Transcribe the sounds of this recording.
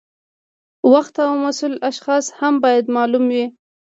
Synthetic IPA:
waxt̪awmasulaʃxɑshambɑjad̪mɑlumwi

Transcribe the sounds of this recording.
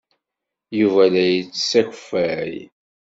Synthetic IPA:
juvælæjət͡sːsækʷfæḭ

